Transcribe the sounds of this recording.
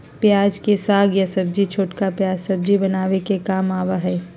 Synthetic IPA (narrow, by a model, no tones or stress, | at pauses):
pjaːd͡ʒkesaːɡjasɐb̚d͡ʒit͡ʃʰoːʈkapjaːd͡ʒsɐb̚d͡ʒibənaːʋekekaːmaːʋaɦɛː